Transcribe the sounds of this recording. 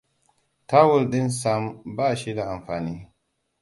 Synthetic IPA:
ta˦wu˦lɗi˦nsa˨mba˦˨ʃi˦da˨a˨mfa˨ni˦

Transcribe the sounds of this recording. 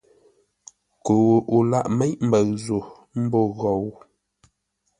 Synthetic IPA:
ko˨wu˨ʔu˨la˦ʔme˦jm̩˨bə˨ɰzo˨ | m̩˦bo˦˨ɣɔ˨w

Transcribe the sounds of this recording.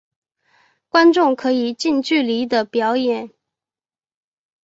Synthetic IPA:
kwa˥nʈ͡ʂʊ˥˩ŋkʰɤ˧˥i˨˩t͡ɕi˥˧nt͡ɕy˥˩li˧˥d̪ə˨pjɑ˧˥ʊjɛ˨˩˦n

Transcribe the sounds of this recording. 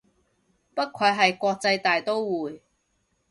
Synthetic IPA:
pɐ˥t̚kʰɵ˨˧˥ɦɐ˨jkʷɔː˧k̚t͡sɐ˧jt̪aː˨jt̪o˥wwuː˨˩j

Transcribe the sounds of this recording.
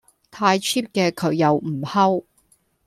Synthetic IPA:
t̪ʰaː˧jt͡ʃʰiː˥p̚kɛː˧kʰɵ˨˧˥ɥjɐ˨˧wm̩˨˩hɐ˥w

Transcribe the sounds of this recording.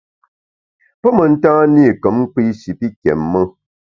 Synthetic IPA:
pə˦mə˨n̩˦tãː˦niː˦˨kə˨˦m̩˦k͡pi˦ʃi˨pi˦kjɛ̰˨mːə˦

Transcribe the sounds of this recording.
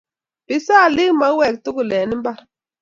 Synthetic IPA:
b̥i˨sa˦˨li˦ŋma˦wɛ˦˨k̚tu˦ɡu˨lɛ˨ni˦mba˦ɾ

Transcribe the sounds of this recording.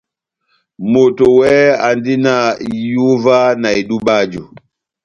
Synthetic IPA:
mo˨to˨wɛɛ˦a̰˨ndi˦na˦˨ju˦va˦na˨e˨ɗu˦ɓa˦d͡ʒu˨

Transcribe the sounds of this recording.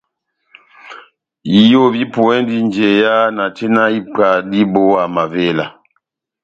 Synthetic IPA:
ji˨jo˦˨bi˦po˨ɛ˦ndi˦n˨d͡ʒe˨ja˦na˨te˦na˦i˦pa˨di˦bo˦a˨ma˨ve˦˨la˨

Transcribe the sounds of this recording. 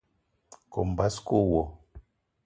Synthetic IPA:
ko˨m̩˨ba˦sko˦wɔ˨

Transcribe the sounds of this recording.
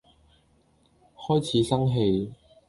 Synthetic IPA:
hɔː˥jt͡sʰiː˨˧sɐ˥ŋɦe˧j

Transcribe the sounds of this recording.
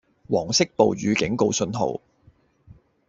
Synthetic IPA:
wɔː˨˩ŋsɪ˥k̚po˨wɥyː˨˧kɪ˨˥ŋko˧wsɵ˧nɦo̰˨˩w

